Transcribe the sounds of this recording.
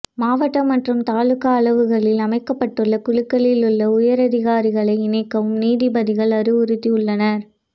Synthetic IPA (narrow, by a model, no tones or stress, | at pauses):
maːʋɐʈːɐmːɐʈrɯmt̪aːɭɯkɐːɭɐʋɯɣɐɭɪlɐmɐɪkːɐpːɐʈːɯɭːɐkʊɻɯkːɐɭɪlɯɭːɐʊjɐɾɐðɪɣaːɾɪɣɐɭɐɪɪnɐɪkːɐʋɯmniːðɪbɐðɪɣɐɭɐɾɯʊɾɯt̪ːiʊɭːɐnɐɾ